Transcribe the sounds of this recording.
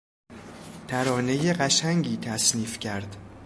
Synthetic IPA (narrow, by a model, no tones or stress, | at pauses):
t̪ʰæɾɒːne̞je̞ɢæʃæŋɟiːt̪ʰæsniːfcʰæɾd̪̥